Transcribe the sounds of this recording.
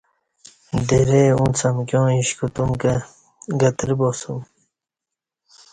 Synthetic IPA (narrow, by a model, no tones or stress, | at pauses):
d̪eɾeːũnt͡sʰɐmkjõːĩɕkut̪umɡ | ɡɐt̪ɾibosum